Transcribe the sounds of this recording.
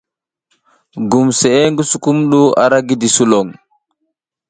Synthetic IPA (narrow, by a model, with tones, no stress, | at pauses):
ɡu˨mse˨e˦ŋɡu˦su˨ku˦mɗu˦a̰˨ɾa˦ɡi˦di˨su˦lo˨ŋ